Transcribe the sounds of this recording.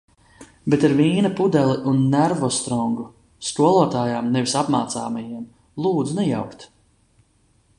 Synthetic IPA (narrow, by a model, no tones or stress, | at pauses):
bet̪aɾviːnapud̪ɛlˠiʔunːæɾvɔst̪ɾɔŋɡu | skuɔlˠɔɔt̪aːjaːmnɛvisapmaːt̪saːmajiɛm | lˠuːd̪zunɛja̰wkt̪